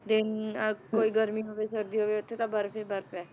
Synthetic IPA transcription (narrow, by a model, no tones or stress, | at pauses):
d̪ɪnkoːiːɡəɾmiːɦoːʋeːsəɾd̪iːɦoːʋeːʊt̪ʰːet̪ãːbəɾpeːbəɾpɛː